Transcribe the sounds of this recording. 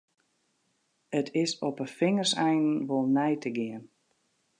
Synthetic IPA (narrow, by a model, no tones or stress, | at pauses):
ətʰɪsɔpəfɪŋərsɛjnnʋolˠnɛjtʰəɡɪən